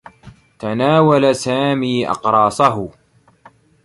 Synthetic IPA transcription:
t̪anaːwalasaːmiːʔɑ̰qɾˤɑːsˤaɦʊ

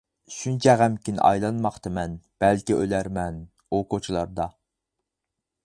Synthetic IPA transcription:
ʃunt͡ʃʰɛʁæmkʲin̰ʔɑ̰jlˠɑnmɑχt̪ʰɨmɛnb̥ɛlkʲiʔølæɾmɛn | okot͡ʃʰilˠɑɾd̪ɑ

